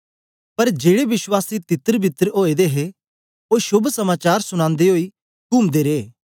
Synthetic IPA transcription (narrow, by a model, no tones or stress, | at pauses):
pɐɾd͡ʒeːɽeʋɪswaːsit̪ɪt̪əɾbʱɪt̪əɾoːed̪eɦe | oːʃʊbʱsɐmaːt͡ʃaːɾsʊɽ̃ãːnd̪eɦoːi | kuːmd̪eɾeː